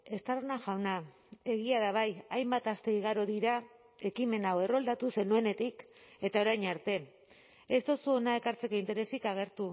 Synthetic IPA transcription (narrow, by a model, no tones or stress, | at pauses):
e̞st̪aronaʝawna | e̞ɣ̞iað̞aβ̞ajajmbat̪ast̪e̞iɣ̞aɾo̞ðiɾa | e̞kime̞nawe̞ro̞ld̪at̪use̞nue̞ne̞t̪ike̞t̪ao̞ɾajɲaɾt̪e̞ | est̪osuo̞nae̞kaɾt͡se̞ko̞int̪e̞ɾe̞sikaɣ̞e̞ɾt̪u